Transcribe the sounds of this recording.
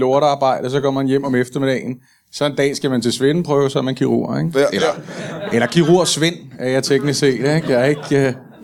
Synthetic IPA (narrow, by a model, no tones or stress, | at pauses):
loɐɾəɑ̈ːb̥ɑ̈ɪ̰d̥ɐs̬ɒ̽kʰɒ̽m̰ɐhænjem̰ɒ̽mefd̥ɐmed̥ɛ̰ːn̩ | sɒ̽e̝nd̥ɛ̰ːsɡ̥æmænt͡sʰe̝lsʋenəpʰʁœːʊsɒmenkʰiʁṵɐ̰eɡ̥elɐelɐkʰiʁuɐ̰sʋe̝n̰æɐjɑ̈ɪt͡sʰeɡ̥nise̝̰ːd̥eɡ̥jæe̝ɡ̥